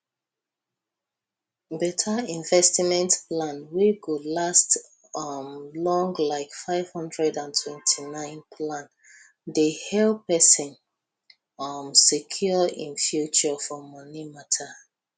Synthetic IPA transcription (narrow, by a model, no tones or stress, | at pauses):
bɛtʰaĩɱvɛstmɛ̃ntplãnweɡulast | mlɔ̃ŋɡlaɪkfaɪv̥hɔ̃ndɹɛdãntʰwɛ̃ntʰinãɪ̃npʰlãn | dehɛlpɛsĩn | ʌmsekʰjɔḭ̃nfjut͡ʃɔfɔmɔnimatʰa